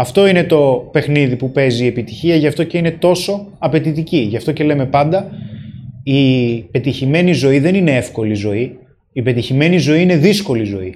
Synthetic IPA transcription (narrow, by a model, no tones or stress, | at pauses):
ɐft̪o̞ine̞t̪o̞pe̞xniðipupe̞ziie̞pit̪i̥çiɐʝɐft̪o̞ceine̞t̪o̞so̞ɐpe̞t̪it̪iciʝɐft̪o̞ce̞le̞me̞pɐnd̪ɐ | ipe̞t̪içime̞nizo̞iðe̞nine̞efko̞lizo̞i | ipe̞t̪içime̞nizo̞iine̞ðisko̞lizo̞i